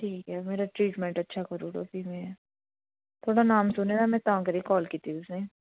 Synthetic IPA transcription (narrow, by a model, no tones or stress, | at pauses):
ʈʰiːkɦɛːmeːɾaʈɾiːʈmɛ̃ɳʈɐtːʃʰakɐɾuːɖo̰pimẽɛː | t̪ʰoːɽanaːmsʊned̪amɛ̃t̪ãːkɐɾiekɔːlkiːt̪iʊsnẽ